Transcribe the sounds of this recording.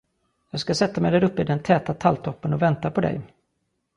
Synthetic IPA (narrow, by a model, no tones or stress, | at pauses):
jɑːɡskasɛt̪ːamɛjd̪æɾɵpːəɪd̪ɛnt̪ʰɛːt̪at̪ʰalt̪ʰɔpːənɔvɛnt̪apʰɔd̪ɛ̰j